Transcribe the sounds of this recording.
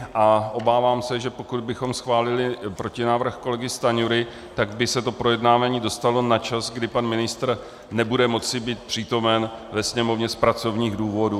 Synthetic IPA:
ʔaʔo̞baːvaːmsɛʒɛpo̞kud̪̚bɪxo̞msxvaːlɪlɪpɾo̞cɪnaːvr̩xko̞lɛɡɪst̪aɲuɾɪ | t̪aɡbɪsɛt̪o̞pɾo̞jɛdnaːvaːɲiːdo̞st̪alo̞nat͡ʃazɡdɪpanmɪnɪst̪r̩ | nɛbudɛmo̞t͡sɪbiːt̪̚pr̝̥iːt̪o̞mɛnvɛsɲɛmo̞vɲɛspɾat͡so̞vɲiːɣduːvo̞du

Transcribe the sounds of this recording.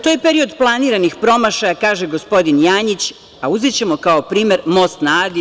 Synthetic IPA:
t̪o̞jepe̞ɾio̞d̪plˠaniːɾanixpɾo̞maʃajakaːʒeɡo̞spo̞d̪injaːɲit͡ɕ | auzit͡ɕe̞mo̞kao̞pɾiːme̞ɾmo̞st̪naːd̪i

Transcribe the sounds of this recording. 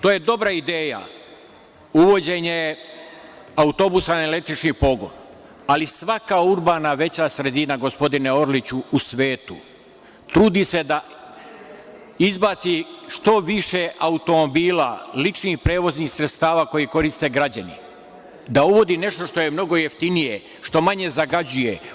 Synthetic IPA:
t̪oːje̞d̪o̞bɾaid̪eːja̰ | uʋo̞d͡ʑe̞ɲe̞ | aut̪o̞busanelet̪it͡ʃnipo̞ɡo̞̰n | alisʋakauɾbaːnaʋe̞t͡ɕasɾe̞d̪inaɡo̞spo̞d̪ineo̞ɾlit͡ɕuːsʋe̞ːt̪ṵ | t̪ɾuːd̪ise̞d̪a | izbaːt̪siʃt̪o̞ʋiʃeʔaut̪o̞mo̞biːla̰lit͡ʃnixpɾe̞ːʋo̞znixsɾe̞t̪st̪aːʋaːko̞jiko̞ɾist̪e̞ɡɾad͡ʑanḭ | d̪auʋo̞d̪ine̞ʃt̪o̞ʃt̪o̞jemno̞ɡo̞je̞ft̪inije | ʃt̪o̞maɲe̞zaɡad͡ʑuje̞

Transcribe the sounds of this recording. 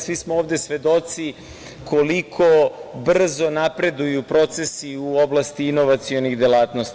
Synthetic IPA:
sʋismooːʋvd̪e̞sʋe̞d̪o̞t̪si | kʰo̞likʰo̞br̩zo̞napɾe̞d̪ujupɾo̞t̪se̞siuo̞blˠast̪iino̞ʋat̪sijo̞nixd̪elaːt̪nost̪

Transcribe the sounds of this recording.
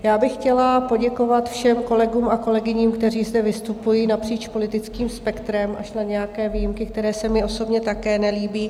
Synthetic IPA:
jaːbɪxːcɛlapo̞ɟɛko̞vat̪fʃɛmko̞lɛɡuːmʔako̞lɛɡɪɲiːmkt̪ɛriːzd̪ɛvɪst̪upujiːnapr̝̥iːt͡ʃpo̞lɪt̪ɪt͡skiːmspɛkt̪ɾɛmʔa̰ʃnaɲɛjakɛːvijɪmkɪk̚t̪ɛɾɛːsɛmɪo̞so̞bɲɛt̪akɛːnɛliːbiː

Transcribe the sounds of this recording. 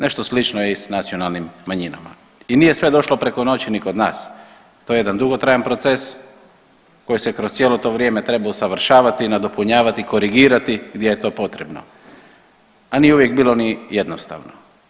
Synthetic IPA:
ne̞ʃt̪o̞slit͡ʃnojeisnat̪sio̞nalˠnimːaɲina̰ma̰ | iniːje̞sʋe̞d̪o̞ʃlo̞pɾe̞ko̞no̞t͡ɕiniko̞d̪na̰ːs | t̪ojejed̪and̪uɡo̞t̪ɾajanpɾo̞t̪se̞s | ko̞jisekɾost̪sʲjeːlo̞t̪o̞ʋɾje̞ːme̞t̪ɾe̞bausaʋrɾʃaːʋat̪inad̪o̞puɲaːʋat̪iko̞ɾiɡiːɾat̪iɡd̪jejet̪o̞ːpo̞t̪ɾebno̰ | anijeuʋje̞ɡ̚biːlo̞nije̞d̪nost̪a̰ʋno

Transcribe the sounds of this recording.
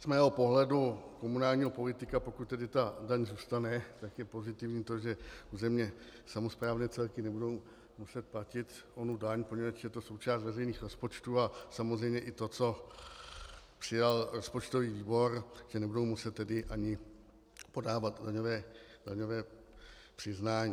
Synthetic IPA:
z̥mɛːɦo̞po̞ɦlɛduko̞munaːlɲiːɦo̞po̞lɪt̪ɪkapo̞kut̪̚t̪ɛdɪt̪adaɲzuːst̪anɛt̪akjɛpo̞zɪt̪ɪvɲiːt̪o̞ʒɛʔuzɛmɲɛsamo̞spɾaːvnɛːt͡sɛlkɪnɛbudo̞w | musɛt̪̚placɪt̪ʔo̞nudaɲpoɲɛvat͡ʃjɛt̪o̞so̞wt͡ʃaːst̪vɛrɛjniːxɾo̞spo̞t͡ʃt̪uːasamozrɛjmɲɛʔɪt̪o̞t͡so̞ | pr̥ɪjalɾo̞spo̞t͡ʃt̪o̞viːviːbo̞ɾʒ̥ɛnɛbudo̞wmusɛt̪ːɛdɪʔaɲɪ | po̞daːvat̪daɲo̞vɛːdaɲo̞vɛːpr̥ɪznaːɲiː

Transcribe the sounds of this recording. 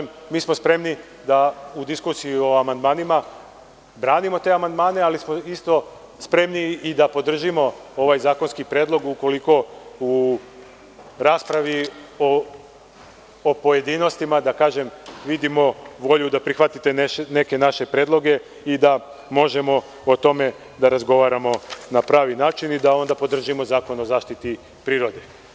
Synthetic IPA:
m | miːsmo̞spɾe̞mni | d̪aud̪iskuːsijio̞amand̪maːnima | bɾaːnimo̞t̪e̞amand̪maːne̞alismo̞ist̪o̞ | spɾe̞mniːd̪apo̞d̪r̩ʒimo̞o̞ʋajzaːkonskipɾjeːd̪lˠo̞ɡuko̞liko̞u | ɾaːspɾaʋio | opo̞je̞d̪iːno̞st̪imad̪akaːʒe̞mʋid̪imo̞ʋo̞ʎud̪apɾixʋat̪it̪e̞ne̞ke̞naʃe̞pɾeːd̪lˠo̞ɡe̞ | id̪a | mo̞ʒe̞mo̞ | ot̪o̞me̞ | d̪aɾazɡo̞ʋaːɾamo̞napɾaːʋinaːt͡ʃinid̪ao̞nd̪apo̞d̪r̩ʒimo̞zaːko̞nozaːʃt̪it̪i | pɾiːɾo̞d̪e

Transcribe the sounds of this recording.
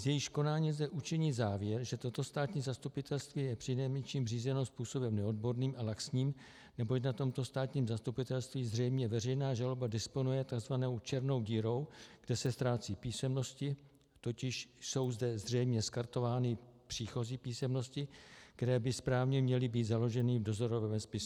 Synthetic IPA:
zjɛjɪʃko̞naːɲizdɛʔut͡ʃɪɲiːzaːvjɛɾʒɛt̪o̞t̪o̞st̪aːt̪ɲiːzast̪upɪt̪ɛlst̪viːjɛpr̥ɪnɛjmɛt͡ʃiːmr̝iːzɛno̞spuːso̞bɛmnɛo̞d̚bo̞ɾniːmʔalaksɲiːm | nɛbo̞cnat̪o̞mt̪o̞st̪aːt̪ɲiːmzast̪upɪt̪ɛlst̪viːzr̝ɛjmɲɛvɛrɛjnaːʒalobadɪspo̞nujɛt̪aɡzvanowt͡ʃɛɾno̞wɟiːɾo̞wɡ̥dɛsɛst̪ɾaːt͡siːpiːsɛmno̞scɪ | t̪o̞cɪʃso̞wzdɛzr̝ɛjmɲɛskaɾt̪o̞vaːnɪpr̝̥iːxo̞ziːpiːsɛmno̞scɪkkt̪ɛɾɛːbɪspɾaːvɲɛmɲɛlɪbiːt̪zalo̞ʒɛnɪvdo̞zo̞ɾovɛvɛmspɪsu

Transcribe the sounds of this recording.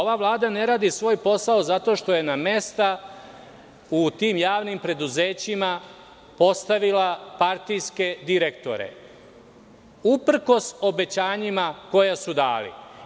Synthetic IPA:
oʋaʋlˠaːd̪ane̞ɾaːd̪isʋo̞ːjpo̞saozat̪o̞ːʃt̪o̞je̞name̞st̪a | ut̪iːmjaːʋnimpɾe̞d̪uzeːt͡ɕima | po̞st̪aʋilapaɾt̪ijske̞d̪iɾe̞kt̪o̞̰ɾḛ | upr̩ko̞so̞be̞t͡ɕaːɲimako̞jasud̪aːlḭ

